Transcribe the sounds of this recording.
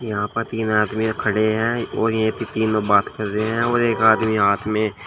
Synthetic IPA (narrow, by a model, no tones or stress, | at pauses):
jɐɦãpəɾt̪iːnaːd̪miekʰɐɽeɦɛ̃oːɾjẽt̪it̪iːnobaːt̪kɐɾt̪eɦɛ̃oːɾeːkaːd̪miɦaːt̪ʰmẽ